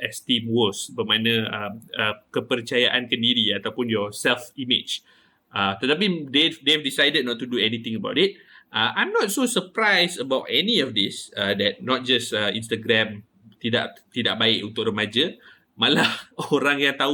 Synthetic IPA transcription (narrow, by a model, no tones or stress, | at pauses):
ʔɛst̪ĩmwɔsbəmãnə̃əməkəpərt͡ʃajaʔankəndiɾiat̪awpʊnjɔsɛlfimɪt͡ʃ | ʔət̪ət̪ap̬idevdevdisajdəd̚nɔtːuduɛnĩt̪ɪ̃ŋəba̰wtit̚ʔəʔãjmnɔt̚sosəpɾajsəbawtɛniɔfd̪isədɛt̚nɔt̚d͡ʒasəḭ̃nst̪aɡɾɛ̃m | t̪ida̰ʔt̪idaʔ̚baɪkunt̪ʊkrəmad͡ʒə | malahoɾaŋjaŋt̪au